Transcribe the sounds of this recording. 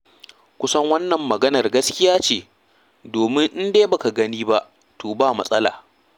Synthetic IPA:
kʷʊ˦sɐ˦ŋwɐ˦nːɐ˨mːɐ˨ɡɐ˦nɐ˨rɡɐ˦skʲɪ˦jaː˦t͡ʃeː˨ | doː˨mɪ˦ŋʔɪ˦ndeː˦ba˨ka˨ɡɐ˦niː˦ba˦ʔ | tʰoː˨baː˦˨mɐ̰˦sʼɐ˦la̰ː˨

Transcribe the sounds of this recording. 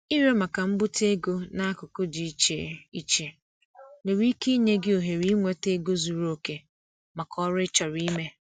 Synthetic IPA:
i˦ɾe˦ma˨ka˨m̩˦bʊ˦te˦ɡo˦na˦a˦kʊ˨kʊ˦d͡ʒi˨˦t͡ʃḛ˦i˦t͡ʃe˨ | me˨ɾi˦ki˦ɲe˦ɡɪ˦o˨ɦe˨ɾi˦ŋʷe˦te˦ɡo˦zu˨ɾo˦ke˦ | ma˨kɔ˦ɾɪ˦t͡ʃɔ˨ɾi˦me˦

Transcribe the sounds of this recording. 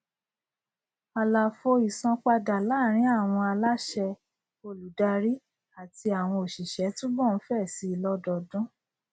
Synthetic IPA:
a˨la˨fo˧i˨sã˧k͡pa˧da˨la˨˦˨ɾ̃ĩ˨˦a˦˨w̃ɔ̃˧a˧la˦ʃɛ˧ | o˧˨lu˨da˧ɾi˦ | a˨ti˧a˨w̃ɔ̃˧o˨ʃi˨ʃɛ˨˦tũ˦bɔ̃˦˨˦fɛ˦˨si˧˦i˧˨lɔ˦dɔ˨˧dɔ̃˦

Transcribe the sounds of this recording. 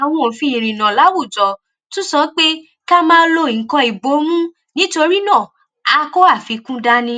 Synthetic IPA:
a˨w̃ɔ̃˧o˨fĩ˧˦i˨ɾĩ˨nã˨la˨˦wu˦˨d͡ʒɔ˨ | tũ˦sɔ˦k͡pe˦ | ka˦mãː˦˧˦lo˧i˨ŋ̩˨kɔ̃˧i˨bo˨˦mũ˦ | nĩ˨˦to˧ɾi˦nãː˦˨ | a˧ko˦a˦˨fi˧˦kũ˦da˦nĩ˧˦

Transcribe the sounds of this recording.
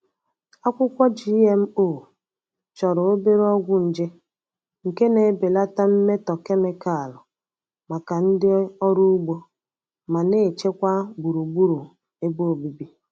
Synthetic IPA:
a˦kʷʊ˦kʷɔ˦d͡ʒi˦e˦m̩˦o˦˨ | t͡ʃɔ˨ɾʊ˨o˦be˦ɾɔ˦ɡʷʊ˦n̩˨d͡ʒe˦ | ŋ̩˨ke˦ne˨˦be˨la˦ta˦m̩˦me˦tɔ˨ke˦me˦ka˦˨a˨lʊ˨ | ma˨ka˨n̩˦dɪ˦ɔ˦ɾu˦u˦ɡ͡bo˦ | ma˨ne˦˨t͡ʃe˦kʷa˦bu˨ɾu˨ɡ͡bu˦ɾu˨ | e˦bo˦o˨bi˨bi˦

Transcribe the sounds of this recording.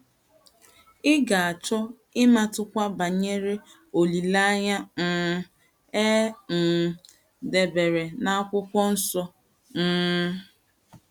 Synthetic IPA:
ɪ˦ɡa˨a˨t͡ʃɔ˦ | ɪ˦ma˦tʊ˦kʷa˦ba˨ɲe˦ɾe˦ | o˨li˨la˦ɲa˦n̩ː˨˦ | e˦m̩˨ | de˨be˨ɾe˨na˦a˦kʷʊ˦kʷɔ˦n̩˦sɔ˦ | n̩˦

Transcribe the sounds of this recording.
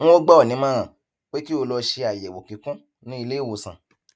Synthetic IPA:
o˦ɡ͡bɔ˦ɔ˨nĩ˨˦mã˦ɾ̃ã˨ | k͡pe˦ki˦o˧lɔ˧ʃe˧a˨jɛ˨wo˨kĩ˨˦kũ˦ | nĩ˦i˧le˦˨wo˨sã̰˨

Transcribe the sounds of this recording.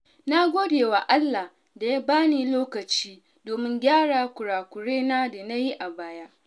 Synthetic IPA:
na˦ɡʷoː˦deː˨waː˨ʔa˦lːa˨ | da˨ja˦baː˦niː˨loː˦kɐ˨t͡ʃiː˦ | doː˨mɪ˦ŋɡʲaː˦ɽaː˨kʷʊ˨ɽaː˨kʷʊ˨ɽeː˦naː˦da˨na˦ji˦ʔa˨baː˦ja˦ʔ

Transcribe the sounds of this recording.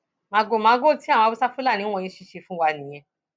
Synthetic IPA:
mã˧ɡo˧˨mã˨˦ɡo˦˨ti˨˦ã˦˨˧bi˦sa˦fu˦la˦˨ñĩ˨˦w̃ɔ̃˧ĩ˧ʃi˧˨ʃe˧fũ˦wa˧nĩ˨j̃ɛ̃˧

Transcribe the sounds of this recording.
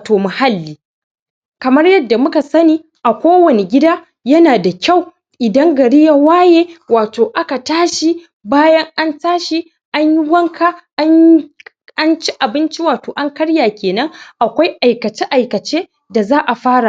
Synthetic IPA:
toː˨ma˨ha˦lːiː˨˦ | kɐ˨mɐ˦rjɐ˦dːa˨mʊ˦ka˨sɐ˦niː˦ | ʔa˨kʷoː˦wɐ˨ne˨ɡʲɪ˦daː˦ | jɐ˦naː˨da˨kʲa˦˨w | ʔɪ˨dɐ˦ŋɡɐ˨ɽi˦ja˦waː˦jeː˦waː˨toː˨ʔa˦ka˨taː˦ʃi˦ | baː˦jɐ˦ŋʔa˦ntaː˦ʃi˦ | ʔa˦ɲji˦wɐ˦ŋkʰa˦ʔa˦ɲ | ʔa˦nt͡ʃi˦ʔa˨bɪ˦nt͡ʃi˦waː˨toː˨ʔa˦ŋkɐ˦ɽjaː˨kʲeː˨nɐ˦ŋʔa˨kʷa˦jʔa˨jkɐ˨t͡ʃe˦ʔa˨jkɐ˨t͡ʃeː˦ | da˨zaː˦ʔa˨ɸaː˦ɽa˨

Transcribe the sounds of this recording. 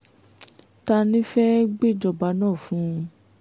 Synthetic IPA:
ta˧nĩ˦fɛ˦ɡ͡be˦˨d͡ʒɔ˧ba˧nãː˦˨fũ˨˦˧

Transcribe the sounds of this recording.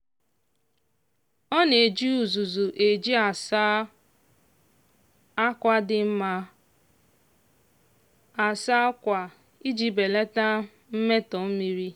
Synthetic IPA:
ɔ˦ne˨d͡ʒi˦u˨zu˨zu˨ʔe˨d͡ʒi˦a˨s | a˦kʷa˦dɪ˦m̩˦ma˦ | a˨sa˦kʷa˨ | i˦d͡ʒi˦be˨le˦ta˦ | m̩˦me˦tɔ˨m̩˦mi˦ɾi˦

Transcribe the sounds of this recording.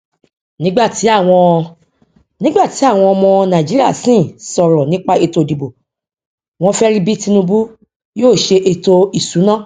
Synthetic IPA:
nĩ˦ɡ͡ba˦˨ti˨˦a˦˨w̃ɔ̃˧ | nĩ˦ɡ͡ba˦˨ti˨˦a˦˨w̃ɔ̃˧ɔ˧mɔ̃˧nã˨d͡ʒi˨˦ɾi˦a˦˨sĩ˦˨sɔ˨ɾɔ˨nĩ˦k͡pa˦e˧to˧˨di˨bo˨ | w̃ɔ̃˧fɛ˦ɾi˦bi˦ti˧nũ˧bu˦ | joː˦˨ʃe˧ʔe˧to˧i˨sũ˨˦nã˦˨

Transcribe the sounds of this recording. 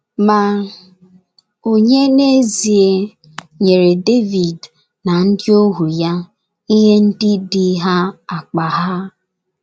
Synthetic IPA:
ma˨ | o˨ɲe˦ne˦zi˨e˦ | ɲe˨ɾe˨de˦vi˨d | na˨n̩˦dɪ˦o˦ɦu˨ja˦ | i˦ɦe˦n̩˦dɪ˦dɪ˨˦ɦa˦a˨k͡pa˨ɦa˦

